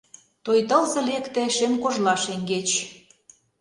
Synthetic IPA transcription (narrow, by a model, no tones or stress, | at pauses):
t̪ojt̪ə̆lzɤ̆lekt̪ĕʃemkoʒlɑʃeŋɡet͡ɕ